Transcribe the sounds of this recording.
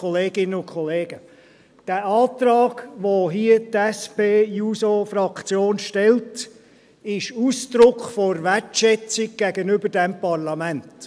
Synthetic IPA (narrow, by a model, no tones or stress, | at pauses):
ɔleːɡ̥ɪnənʊnkʰχɔleːɡ̥ə | d̥æːʔɑːtɾɑːɡ̥ʋoɦiətɛspeːjuːsofɾɑkt͡sjoːnʃtɛlt | ɪʃuːsd̪̥ɾʊkχfɔɾvætʃɛt͡sɪɡ̚ɡ̥ɛɡənʏbəɾdɛmpɑʁlɑmænt